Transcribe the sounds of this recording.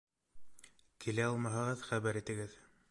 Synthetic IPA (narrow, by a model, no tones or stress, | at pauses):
kʰilæɑlˠmɑɦɤ̆ʁɤðχæβæɾit̪ɘ̆ɡɘð